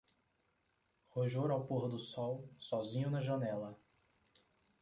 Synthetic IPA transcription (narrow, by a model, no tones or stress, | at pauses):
hoʒoɾawpoɦʊd̪ʊsɔwsɔzĩɲʊnɐʒɐnɛlɐ